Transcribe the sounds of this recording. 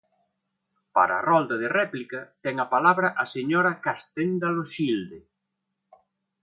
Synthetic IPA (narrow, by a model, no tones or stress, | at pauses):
pa̰ɾa̰ːrɔld̪ɐðɪrɛplikɐt̪ɛŋɐpalaβɾɐʔɐseɲoɾɐkast̪end̪aloʃild̪e